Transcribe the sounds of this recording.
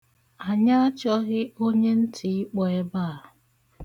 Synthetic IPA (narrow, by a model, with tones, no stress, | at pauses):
a˨ɲa˦a˦t͡ʃɔ˦ɣɪ˦o˦ɲe˦n̩˦tʰi˨ɪ˦k͡pɔ˨ɛ˦ba˦˨